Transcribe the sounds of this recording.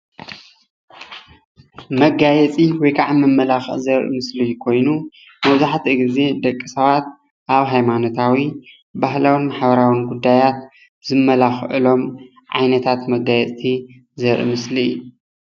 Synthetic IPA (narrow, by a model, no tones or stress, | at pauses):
mɐɡajɛt͡sʼiwɔjkʰaʕamɨmːɐlaxɨ̰ʔzɐɾʔḭmɨslijukʰo̞jnu | mɐβzaħt̪ʰiɡize̞d̪ɐkʼːisɐβat̪̚ | ʔaβɦajmano̞t̪ʰawi | baɦlawɨnmaħbɐɾawinɡud̪ːajat̪ | zɨmːɐlaxʔɨ̰lo̞m | ʕa̰jnɐt̪ʰat̪mɐɡajɛt͡sʼi | zɐɾʔɨ̰mɨsliɨju